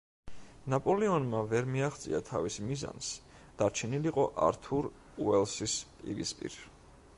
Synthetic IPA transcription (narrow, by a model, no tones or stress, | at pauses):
napʼɔlɛɔnmavɛɾmiaχt̪sʼḭat̪ʰavismiza̰ns | d̪̥aɾt͡ʃʰɛniliqʼɔʔa̰ɾt̪ʰuɾ | uɛlˠsispʼḭɾḭspʼḭɾ